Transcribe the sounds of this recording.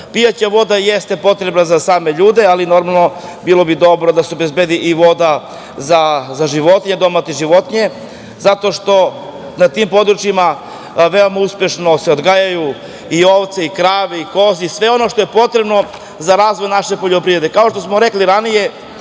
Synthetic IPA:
pijat͡ɕaʋo̞d̪ajest̪e̞po̞t̪ɾe̞bnazasaːme̞ʎuːd̪e̞alino̞ɾmalˠno̞bilˠo̞bid̪o̞bɾo̞d̪aseobe̞zbed̪iʔiʋo̞d̪a | zazaʒiʋo̞t̪iɲed̪o̞mat̪iʒiʋo̞t̪ɲe | zat̪o̞ʃt̪o̞ | nat̪impo̞d̪ɾut͡ʃima | ʋe̞o̞mauspje̞ʃno̞se̞od̪ɡajaju | io̞ʋt̪seikɾaːʋeiko̞zisʋe̞o̞no̞ʃt̪o̞je̞po̞t̪ɾe̞bno̞ | zaɾaːzʋo̞jnaʃe̞po̞ʎopɾiʋɾed̪ekao̞ʃt̪o̞smoɾekliɾanije̞

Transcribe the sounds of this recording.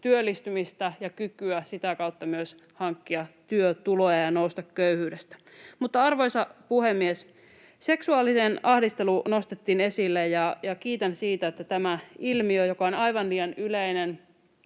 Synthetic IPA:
t̪yølːist̪ymist̪æjɑkykyæsit̪ækɑwt̪ːɑmyøs | hɑŋkːiɑt̪yøt̪ulojɑjɑnoust̪ɑkkøyhyːdest̪æ̥ | mut̪ːɑɑrʋojsɑpuhemːies | se̞ksuɑlːisenɑhdist̪eluno̞st̪et̪ːiːnesilːejjɑjɑkiːt̪ænsiːt̪æet̪ːæt̪æmæilmiøjokɑonɑiʋɑnliːjɑnyleinen

